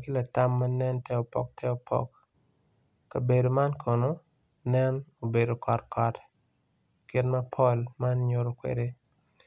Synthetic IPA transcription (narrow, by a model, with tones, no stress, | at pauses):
ki˦la˨ta˦mːa˦nɛ˦ntɛ˦ɔ˨pɔ̰˨k̚tɛ˦ɔ˨pʰɔ̰˨k | a˨be˨do˨ma˦nkʰɔ˨no˦ | nɛ˦no˨be˨do˨kɔ˨tkɔ˨t | kɪ˦tmɐ˦pʰɔ˦lma˦nɲo˨ɾo˨kwḛ˨de˦